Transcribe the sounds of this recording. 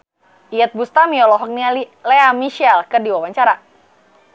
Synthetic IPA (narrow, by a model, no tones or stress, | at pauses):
ʔiət̪̚bust̪amiɔlɔɦɔk̚nialilɛamiʃialkərdiwawaɲt͡ʃaɾa